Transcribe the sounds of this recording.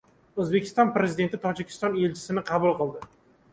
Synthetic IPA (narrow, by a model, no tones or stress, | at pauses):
ɵzbekʲʰɪ̥st̪ɒnpɾe̞zɪd̪ent̪ɪt̪ʰɒd͡ʒɪkʲʰɪ̥st̪ɒne̞lt͡ʃʰɪ̥sɪnɪqʰɑbulˠqɨlˠd̪ɪ